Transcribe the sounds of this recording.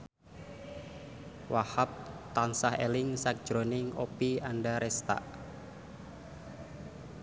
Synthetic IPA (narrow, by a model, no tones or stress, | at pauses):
wahap̚t̪ansahelɪŋsak̚ʒ̥ɾonɪŋopianɖaɾɛst̪a̰ʔ